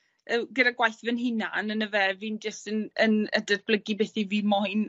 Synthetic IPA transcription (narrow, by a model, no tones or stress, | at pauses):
ʔəɡədaɡwajθvənɦɪna̰nənəvɛviːnd͡ʒəstənənə̰dədb̥lˠəɡibɛθiviːmɔjn